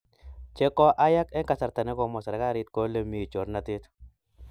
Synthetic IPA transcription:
t͡ʃe˦kɔ˦ʔa˦ja˦kɛ˦ŋka˨sa˨ɾt̪a˨ne˦kɔ˨mɔ˨sa˨ɾa˨ka˦ɾɪ˦t̪̚ko˦le˦mi˨t͡ʃo˨ɾna˨t̪ɪ˦t̪

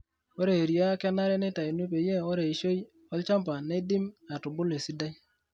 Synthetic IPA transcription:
o˦ɾe˨ɾja˦ka˦na˦ɾe˦ne˦ta˨i˨nu˦p̬e˨je˦o˦ɾe˨i˨ʃo˦j | ɔ˦lt͡ʃa˦mp̬a˨ne˦di˦ma˨tʊ˨bʊ˦le˨si˦da˦j

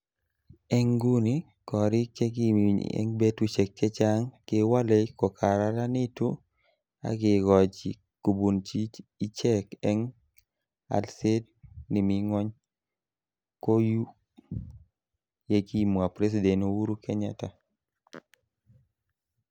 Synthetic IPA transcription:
ɛ˦ŋɡu˦ni˦ | kɔ˨ɾɪ˦ke˦kḭ˦ɛ̰˦ŋbe˦tu˦t͡ʃɛ˨kːɛ˦t͡ʃa˦ŋkɪ˨wa˦lɛ˨kɔ˨kʰa˨ɾa˦ɾa˦nɪ˦tu˦ | a̰˦kɪ˨ɡɔ˨d͡ʒḭ˨ | ko˨bu˨nt͡ʃi˦t͡ʃi˦t͡ʃɛ˦kɛ˦ŋ | a̰˨lse˦d̚ | ni˨mi˨ŋwɔ˦ɲ | ko˦ju˦ | je˦ki˦˨mu˨a˨pɾe˦s̬i˨dɛ˨no˨wu˦ɾu˦kʰe˦ɲa̰˨ta˨

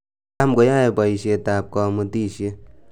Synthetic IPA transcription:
a˦mko˨˦ja˦e˨pɔ˨i˨ʃje˧ta˨p̚kɔ˧mu˦˧ti˦˨ʃe˧

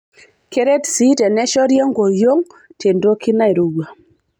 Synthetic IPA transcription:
ke˦ɾe˦tsi˦tɛ˨nɛ˦ʃɔ˦ɾjɔ˦ŋɡo˨jo˦ŋte˨ndo˦ki˦na˦i˨ɾo˨ɡa˨

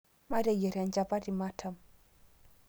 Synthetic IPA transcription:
ma˦ɾa˨jɛ˨ɾa˨nd͡ʒa˨pa˦di˨ma˦tʰa˨m

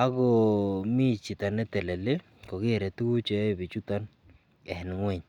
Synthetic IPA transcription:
a˦kɔ˨mi˦t͡ʃi˨ta˨nɛ˦tɛ˨lɛ˨le˦ | kɔ˨kɪ˦ɛ˨ɾɛ˨tu˦ku˦t͡ʃɛ˦ɪ˦bi˨t͡ʃu˦ta˦n | ɛ˨nɪ˨ŋwɛ˦˨ɲ

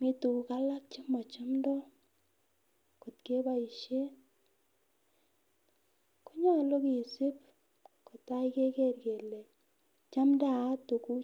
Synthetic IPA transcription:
mi˦tu˨ka˦la˦k̚t͡ʃi˦mɔ˨t͡ʃa˦mndɔ˦ | ko˨tke˦ba˦i˨ʃe˦ | ko˦ɲɔ˦˨lo˦ki˨se˦p | ko˨ta˦i˦ke˦ke˦rɡe˨le˨ | t͡ʃa˦mda˦˨a˦tu˨ku˦

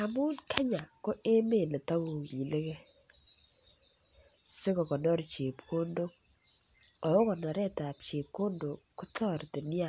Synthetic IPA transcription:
a˨mu˦nkʰa˦ɲa˨ko˦e˦me˦˨ne˨ta˦wu˨i˨le˦ke˦ | se˦kɔ˨kɔ˨nɔ˦ɾt͡ʃe˨pko˦ndo˦k̚ | ɔ˨o˦kɔ˨nɔ˨ɾɛ˦ta˨p̚t͡ʃe˨p̚ko˦ndo˨kːʊ˦tʰɔ˦ɾte˨nɪ˦a˦˨

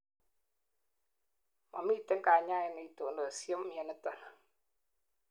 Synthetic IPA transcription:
ma̰˨mi˦te˦ŋka˨ɲa˦i˨ni˨˦to˨ndo˨sjo˦m˨jɛ˨nɪ˨˦tɔ˨na˨

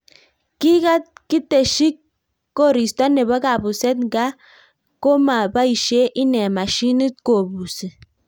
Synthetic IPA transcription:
ki˦ka˦t̚ki˦te˨ʃi˦kː | o˦˨ɾi˨sta˦nɛ˨βa˦ka˨bu˨sɛ˦tŋɡa˦ | ko˦ma˨ba˦i˨ʃe˦ʔi˦nɛ˨ma˨ʃi˦ni˦t̚ko˨bu˨se˨

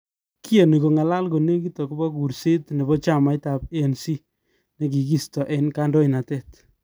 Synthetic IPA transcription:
ki˦e˨ni˨ko˨ŋa˨la˦lko˨ne˦ki˦to˨ku˦bɔ˦ku˨ɾse˦tne˨bɔ˦t͡ʃa˦˨ma˨jta˨p̚e˦˨nsi˦ | ne˨k̬i˨ki˦stɔ˨ʔe˨nka˦ndɔ˦i˨na˨tɛ˦t

